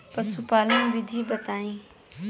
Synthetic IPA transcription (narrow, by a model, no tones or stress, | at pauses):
pəsupaːlãːʋɪd̪ʱiːbət̪aːĩː